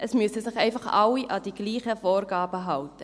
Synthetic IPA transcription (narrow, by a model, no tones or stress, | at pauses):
ʔəsmyəsəsɪχɛɪfɑχʔɑliʔɑd̥iːɡ̥liːχəfoːɾɡɑːbəɦɑltə